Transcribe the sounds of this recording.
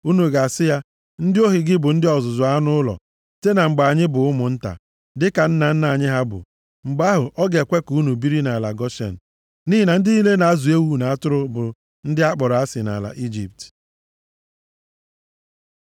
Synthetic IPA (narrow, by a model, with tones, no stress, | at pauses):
u˦nu˨ɡa˨sɪ˦ja˦ | n̩˦dɪ˦o˦ɦi˨ɡɪ˦bʊ˨n̩˦dɪ˦ɔ˨zʊ˨zʊ˨a˦a˦nʊ˦ʊ˦lɔ̰˨ | te˦na˨ŋ͡m̩˨ɡ͡ba˨ɲɪ˦bʊ˨ʊ˦mʊ˨n̩˦ta̰˨ | dɪ˦ka˨n̩˦na˨n̩˦na˨ɲɪ˦ɦa˦bʊ̰˨ | ŋ͡m̩˨ɡ͡ba˦ɦʊ˨ʔɔ˦ɡe˨kʷe˦kuu˦nu˨bi˦ɾi˦na˨la˨ɡɔ˦ʃḛ˨n̩˨ | ni˦ɦi˨na˨n̩˦dɪ˦i˦le˦na˨a˦zu˨e˦wu˦˨na˨a˦tʊ˦ɾʊ˦bʊ˨ | n̩˦dɪ˦a˦k͡pɔ˨ɾa˦sɪ˨na̰˨la̰˨ʔi˦d͡ʒḭ˨p̚t